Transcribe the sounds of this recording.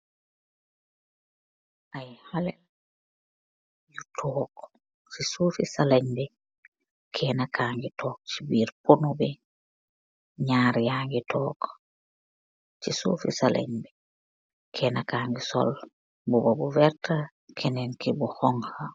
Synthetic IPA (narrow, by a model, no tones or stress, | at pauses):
ʔajhalɛl | jutʰɔːk | sisuːfisalaɲbɛ | kʰɛːnakʰaːŋɡitɔːk̚t͡ʃibiːɾponubɛ | ɲaːɾjaːŋɡitʰɔːk | t͡ʃisṵːfḭsalʔa̰ɲbɛ | kʰɛːnakaːŋɡisɔ̰l | bubabuvɛɾta | kʰɛnɛnkibuxɔŋha